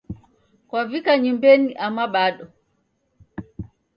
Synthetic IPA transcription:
kwavikaɲimbɛniʔamaɓaɗɔ

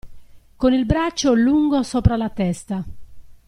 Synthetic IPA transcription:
konilbɾat͡ʃːoluŋɡosɔːpɾalat̪ɛst̪a

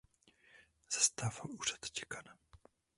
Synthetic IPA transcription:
z̥ast̪aːvaluːrat̪cɛkana

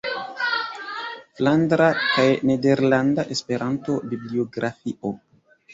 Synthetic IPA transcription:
flandɾakajnede̞ɾlandaʔe̞spe̞ɾʔanto̞biblio̞ɡɾafiʔo

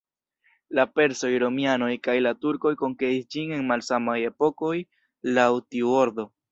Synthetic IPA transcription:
lape̞ɾso̞jɾo̞mjano̞jkajlatuɾko̞jko̞ŋkeisd͡ʒine̞nmalsamaje̞po̞ko̞j | lawtiuoɾd̪o̞

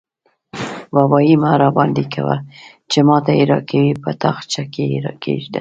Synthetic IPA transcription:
wabɑimaɾɑbɑnd̪ika̰wa̰ | t͡ʃemɑt̪aiɾɑkawipət̪axt͡ʃakeiɾɑ̰kḛʒd̪a

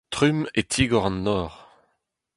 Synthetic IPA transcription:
t̪ʁymet̪ʰiːɡɔʁɑ̃nːɔːʁ

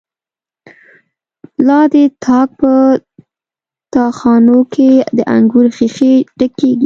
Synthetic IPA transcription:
lɑd̪ət̪ʰɑk̚pə | t̪ɑxɑnokʰed̪əʔa̰ŋɡuɾxixeʈəkːeɡi

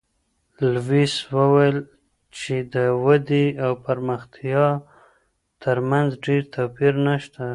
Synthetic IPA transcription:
lwiswəwajl | t͡ʃed̪əwad̪iawpaɾməxt̪jɑ | t̪əɾmanzɖeɾt̪ʰapiɾnaʃt̪a

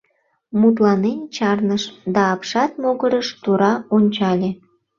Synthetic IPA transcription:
mut̪̬lɑnent͡ɕɑrnəʃd̪ɑːpʃɑt̪̚moɣəɾəʃt̪uɾɑonʲt͡ɕɑlʲe

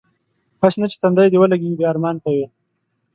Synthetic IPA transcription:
haʃnat͡ʃe̥t̪and̪ajd̪ewəlaɡeɡibjaaɾmɑnkawe

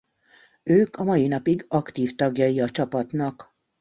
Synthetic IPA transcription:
øːkɒmɒjinɒpiɡɒkt̪iːft̪ɒɡjɒjiɒt͡ʃɒpɒt̪nɒk

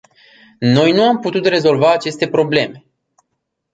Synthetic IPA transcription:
no̞jnuamput̪ut̪re̞zo̞lvaːt͡ʃe̞st̪e̞pɾo̞ble̞me̞

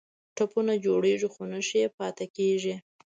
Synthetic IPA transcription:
ʈapunad͡ʒoɽeʐixonəʃiepɑt̪ekeʒi

